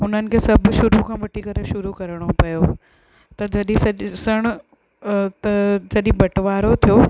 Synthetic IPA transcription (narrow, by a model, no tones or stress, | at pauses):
ʊn̤ənɪ̆kʰeːsɐbʃʊɾukʰãːʋɐʈʰikɐɾeʃʊɾukɐɾəɽ̃opɐjo | t̪ɐd͡ʑɐɗĩsɐsəɽ̃ʊ | t̪ɐd͡ʑɐɗɪ̃bɐʈʋaːɾot̪ʰijo